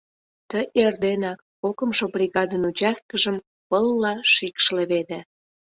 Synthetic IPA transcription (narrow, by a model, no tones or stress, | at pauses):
t̪əjʔerd̪enɑkːokəmʃobɾʲiɣɑd̪ənut͡ɕɑst̪̚kəʒəm | pəlːɑʃikʃlĕβed̪ĕ